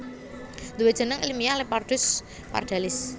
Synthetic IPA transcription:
d̪uwedʒ̥ə̤nəŋilmijalepard̥ʊ̤s | pa̰rd̥alɪs

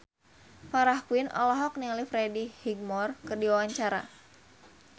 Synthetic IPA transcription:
faɾahkwinʔɔ̰lɔɦɔk̚nilifɾɛdihiɡ̚mɔrkɨrdiwawaɲt͡ʃaɾa̰

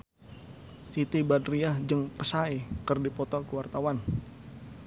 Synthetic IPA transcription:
sit̪ibadɾiahd͡ʒəŋpəsaikərdipɔt̪ɔkəwart̪awan

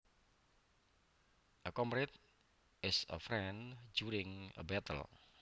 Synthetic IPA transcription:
ʔəkɔmɾɪt̪̚ | ʔɪsə̰fɾɛ̃nd͡ʒuɾɪ̃ŋə̰bɛt̪ə̰l

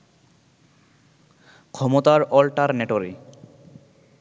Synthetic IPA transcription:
kʰɔmot̪aɾɔlʈaɾneʈoɾi

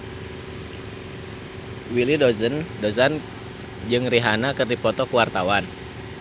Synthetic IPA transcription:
wilidɔzəndozan | d͡ʒɨŋriɦanakɨrdipɔt̪ɔkuwart̪awan

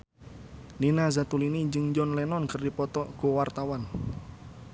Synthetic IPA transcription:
ninazat̪uliniɲd͡ʒəŋd͡ʒɔnlɛnɔnkərdipɔt̪ɔɡ̥owart̪awan

